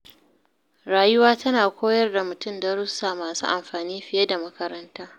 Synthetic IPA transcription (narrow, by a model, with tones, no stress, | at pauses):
ɾaː˨jʊ˦waː˦tɐ˦naː˨kʷoː˦jɐ˦rda˨mʊ˨tʊ˦˨mda˨ɾʊ˦saː˨maː˨sṵː˦ʔa̰˨mɸaː˨niː˦ɸɪ˨je˦da˨mɐ˦kɐ˦ɾɐ˦ntaː˦